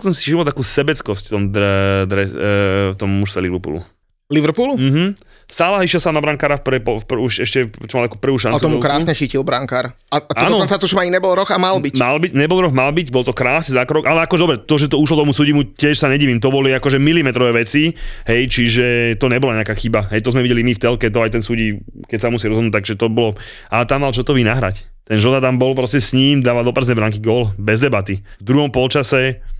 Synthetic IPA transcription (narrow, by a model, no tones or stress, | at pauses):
ksɔmsi̥ʒimalt̪akuːsɛbɛt͡skɔscft̪ɔmd̪d̪ɾɛsft̪ɔmːuʃst̪ʋɛliʋɾpṵːlṵ | liʋɾpuːlum̩ɦm̩ | st̪aːlaiʃjɛlsamnabɾaŋkaːɾafppɔfpuʃɛʃcɛt͡ʃɔmalt̪akupr̩ʋuːʃ̬ant͡sut̪ɔmukɾaːsɲɛxicilˠbɾaŋkaːɾ | at̪aːnɔɔnnt͡sat̪ɔt͡ʃɔmaiɲɛbɔlɾɔxamalbicmalbicɲɛbɔlɾɔxmalbiɟbɔlˠt̪ɔkɾaːsnizaːkɾɔɡʔalɛakɔʒɛd̪ɔbɾɛt̪ɔʒɛt̪ɔuʃ̬lɔt̪ɔmusuɟimucɪɛʃsaɲɛɟiːʋimt̪ɔbɔliakɔʒɛmilimɛt̪ɾɔʋɛːʋɛt͡siɦɛjt͡ʃiʒɛt̪ɔɲɛbɔlaɲɛakaːxibaɦɛjt̪ɔzmɛʋiɟɛlimift̪ɛlkɛt̪̬ɔajt̪ɛnsuːɟikɛcsamusiɾɔzɦɔd̪nut̪aɡʒɛt̪ɔbɔlɔ | ʔat̪amːalt͡ʃɔt̪ɔʋiːnaɦɾa̰c | t̪ɛnʒɔd̪at̪ambɔlpɾɔscɛsɲiːmd̪aːʋad̪ɔpɾznɛbɾaŋkiɡɔlbɛzd̪ɛbat̪ivd̪ɾuɦɔmpɔlt͡ʃasɛ